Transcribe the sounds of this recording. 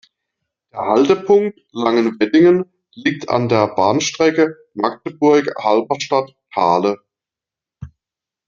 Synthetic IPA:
d̥eːɐhaltəpʰʊŋk̚t | laŋənvɛdɪŋən | liːk̚tʰa̰ndeːɐbaːnʃtʁ̥ɛkə | mak̚təbʊɐkhalbɐʃtatʰaːlə

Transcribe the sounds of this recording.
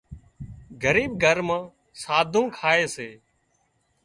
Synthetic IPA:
ɡʱəɾiːbɡʱəɾmãː | saːd̪ʱũːkʰaːeːseː

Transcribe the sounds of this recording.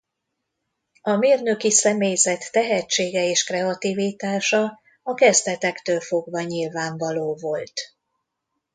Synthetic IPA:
ɒmeːrnøkisɛmeːjzɛt̪ːɛɦɛt͡ʃːeːɡɛeːʃkrɛɒt̪ivit̪aːʃɒ | ɒkɛzd̪ɛt̪ɛkt̪øːlfoɡvɒɲilvaːɱvɒloːvo̞lt̪

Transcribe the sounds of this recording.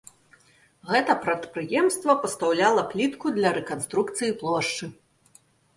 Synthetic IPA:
ɣɛt̪ɐpɾɐt̪pɾɨjɛmst̪vɐpɐst̪awlʲalˠɐplʲit̪kud̪lʲɐɾɛkanst̪ɾukt̪sɨjiplˠɔʂt͡ʂɨ

